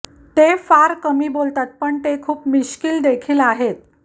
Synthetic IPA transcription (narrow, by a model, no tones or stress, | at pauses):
t̪efaɾkəmiːbolt̪at̪̚pəɳt̪ekʰuːpmiɕkiːld̪ekʰiːlaɦet̪̚